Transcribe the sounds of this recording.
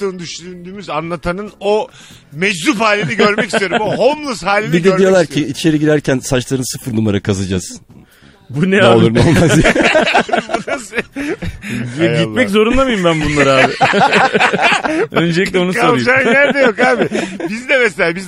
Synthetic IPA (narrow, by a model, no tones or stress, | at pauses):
ɯːnd̪yʃynd̪yːmyzanlˠat̪ʰanɯno | mɛd͡ʒɾuphaːlʲiniɟø̞ɾmɛcisijoɾumbɦomlˠuzhaːlʲidbid̪eøɾijo̞lˠaɾʰiit͡ʃʰeɾɛɟiɾæɾcʰænsat͡ʃlˠaɾɯnsɯfɯɾnumaɾakʰazɯd͡ʒaz̥ | bunɛaolˠuɾmo̰lˠmazja | bunas | jɛɟit̪mɛc̬zo̞ɾunlamɯjumbænbunlˠaɾɯaːbɪ | ø̞nd͡ʒɛlʲic̬lʲɛo̞nukaoɾˠjd͡ʒajæɾd̪ɛjokhaːbɪbizd̪ɛmɛselʲaːbiz